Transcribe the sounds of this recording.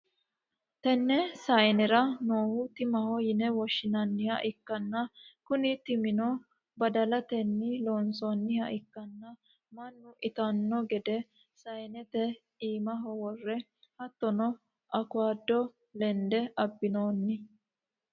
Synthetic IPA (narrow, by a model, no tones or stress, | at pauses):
t̪ɛnːɛsɐjnɛɾɐnoːhʊt̪ɪmɐhɔjɪnɛwɔʃːɪnɐnːɪhɐʔɪkːɐnːɐkʊnɪt̪ɪmɪnɔ | bɐd̪ɐlɐt̪ɛnːɪloːnsonːɪhɐʔɪkːɐnːɐ | mɐnːʊʔɪt̪ɐnːɔɡɛd̪ɛ | sɐjnɛt̪ɛ | iːmɐɦɔwɔrːɛ | hɐt̪ːɔnɔ | ʔɐkʊaːd̪ːɔ | lɛnd̪ɛʔɐbːɪnoːnːɪ